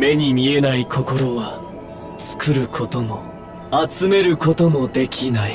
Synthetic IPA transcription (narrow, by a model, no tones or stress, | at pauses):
me̞ɲ̟imʲie̞naikʰo̞ko̞ɾo̞βa | t͡sɨ̥kɯɾɯ̟kʰo̞t̪o̞mo̞ | at͡sɨme̞ɾɯ̟ko̞t̪o̞mo̞d̪e̞kʲʰinai